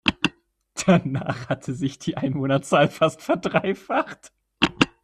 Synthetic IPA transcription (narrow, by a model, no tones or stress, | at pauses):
d̥ana̰ːχhatʰəzɪçd̥iːʔaɪnvoːnɐt͡saːlfastfɛɐdʁaɪfaχt